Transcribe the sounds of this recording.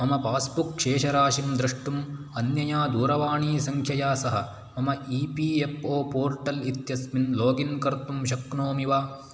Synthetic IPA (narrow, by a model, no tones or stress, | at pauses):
mɐmɐpaːsbukʃeːʃɐɾaːʃimd̪ɾiʂʈum | ɐnjɐjaːd̪uːɾɐʋaːɳiːsɐŋkʰjɐjaːsɐɦɐ | mɐmɐiːpiːepoːpoːɾʈɐlit̪jɐsminloːɡinkɐɾt̪umʃɐknoːmiʋaː